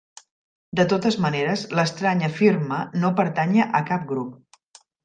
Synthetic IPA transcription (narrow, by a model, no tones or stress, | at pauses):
d̪ət̪ot̪əzməneɾəzləst̪ɾaɲəfirmənopəɾt̪aɲəʔəkap̚ɡɾup̚